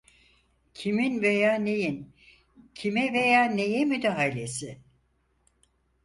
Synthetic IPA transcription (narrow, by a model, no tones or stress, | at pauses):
cʰiminvejaːne̞jin | cʰimɛve̞jaːne̞jɛmyd̪aɦalʲe̞sɪ